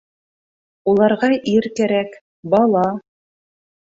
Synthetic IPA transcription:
ulˠɑɾʁɑʔiɾkæɾæk | bɑlˠɑ

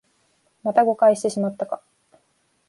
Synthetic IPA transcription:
mat̪aɡo̞kaiɕi̥t̪e̞ɕimat̪ːaka

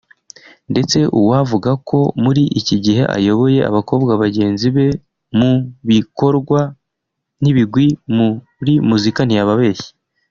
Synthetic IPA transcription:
nde̞t͡se̞ʔuwavuɡakʰo̞muɾiʔiciɟihe̞̰ʔa̰jo̞βo̞je̞a̰βako̞ːbɡaβaɟe̞ːnziβe̞ | muβiko̞ɾɡwa | n̥iβiɡwimu | ɾimuzikan̥ijaβaβe̞ːji̥

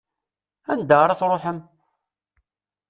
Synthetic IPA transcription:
ænd̪əʁɾˤɑθɾˤoħəm

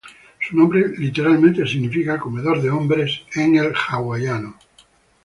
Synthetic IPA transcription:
sunõmbɾelit̪e̞ɾalmẽnt̪esiɣnifikako̞me̞ðoɾðeõmbɾeseŋelxaɣwajano

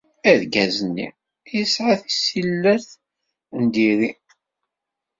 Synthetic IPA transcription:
æðɡæzənːḭ | isʕaθi̥silːæɾθ | nd̪iɾi

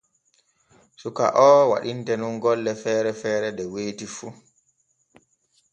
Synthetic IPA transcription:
suka̰ʔɔwa̰ɗintɛnunɡɔlːɛfɛːɾɛfɛːɾɛɗɛweːtifu

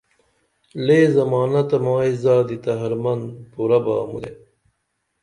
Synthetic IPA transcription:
leːzɐmaːnɐt̪ɐmaːizaːd̪it̪ɐɦɐɾmɐnpuɾɐba̰ːmṵd̪e

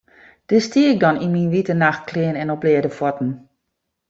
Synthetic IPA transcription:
d̥əstiək̚dɔninminʋitənaxt̚kʰlɪənɛnɔplɪədəfwɔtn̩

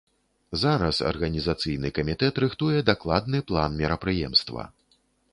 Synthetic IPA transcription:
zaɾɐ̰sɐ̰rɣɐnʲizat̪sɨjnɨkɐmʲit̪ɛt̪ɾɨxt̪ujɛd̪aklˠad̪nɨplˠanmʲɛɾɐpɾɨjɛ̰mst̪vɐ̰

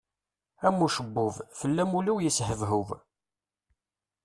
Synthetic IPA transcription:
æmːuʃəbːʊvfəlːæmuliwjəshəvɦʊv

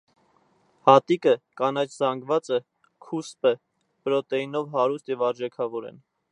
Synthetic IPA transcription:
hɑt̪ikəkɑnɑt͡ʃʰzɑŋɡvɑt͡sə | kʰuspə | bəɾɔt̪ɛjinɔvɦɑɾust̪jɛvɑɾd͡ʒɛkʰɑvɔɾɛ̰n

